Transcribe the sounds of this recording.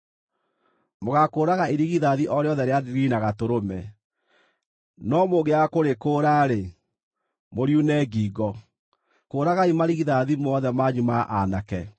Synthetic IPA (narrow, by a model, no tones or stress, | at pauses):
moɣakoːɾaɣaeɾiɣiðaðiʔɔɾeɔðɛɾeadiɾinaɣatoɾomɛ | nɔmoɣeakoɾekoːɾaɾe | moɾjunɛːɡiːɡɔ | koːɾaɣaimaɾiɣiðaðimɔðɛmaɲumaʔanakɛ